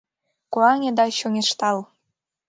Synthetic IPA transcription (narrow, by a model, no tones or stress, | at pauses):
koɑŋʲĕd̪ɑɕoŋʲeʃt̪ɑl